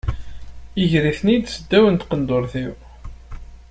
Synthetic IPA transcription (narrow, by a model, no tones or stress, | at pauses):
iʝɾiθnid̪səd̪ːæwənt̪qənd̪ʊɾθiw